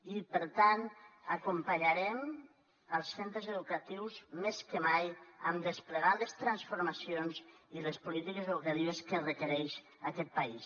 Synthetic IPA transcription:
ipəɾt̪ant̪akumpaɲaɾɛm | əlˠssent̪ɾəzəðukat̪iwzmeskəmajəmd̪əspləɣaləst̪ɾansfuɾmasionziləspulit̪ikezeðukat̪iβəskərəkəɾɛʃ | akɛt̪̚pais

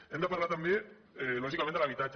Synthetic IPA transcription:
end̪apaɾlat̪embi | loʃ̬ikamealaβit̪at͡ʃ

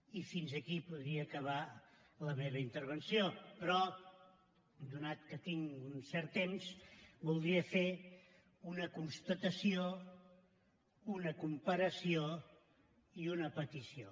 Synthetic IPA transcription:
ifinzəkipuðɾiəːkəβ̞a | ləmeβəint̪əɾβ̞ənsiopɾɔ | d̪unat̪kət̪iŋunsɛɾt̪ːemzbulˠd̪ɾiəfe | unəkunst̪ət̪əsio | unəkumpəɾəsio | iunəpət̪isio

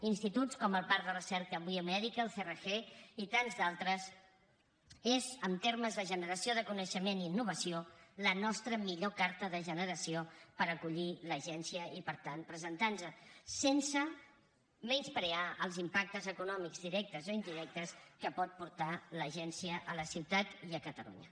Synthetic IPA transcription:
inst̪it̪ut͡skɔməlˠpaɾðərəsɛɾkəβiomɛðikəlˠθerəxeit̪anzdalˠt̪ɾəs | ezəmt̪eɾməzðəʒənəɾəsioðəkunəʃəmeniːnːuβ̞əsiolənɔst̪ɾəmiʎokaɾt̪əðəʒənəɾəsiopəɾəkuʎiləʒɛnsiəipəɾt̪anpɾəzənt̪anzəsensə | menspɾeaʔəlˠzimpak̚t̪əzəkunɔmiɡzðiɾɛk̚t̪əzoind̪iɾɛk̚t̪əskəpɔt̪̚puɾt̪aləʒɛnsiəʔələsiwt̪at̪iəkət̪əlṵɲə̰

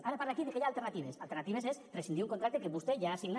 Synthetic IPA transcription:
aɾapaɾðakiðekeʎalˠt̪eɾnat̪iβesalˠt̪eɾnat̪iβezesresind̪iuŋkont̪ɾak̚t̪ekeβust̪eʒaːsiɣn

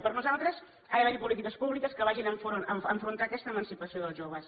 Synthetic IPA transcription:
pəɾnuzalˠt̪ɾəs | ajβɛɾipulit̪ikəspuβlikəskəβaʒinəɱfonəəɱfɾunt̪akɛst̪əmənsipəsioðəlˠzʒoβəs

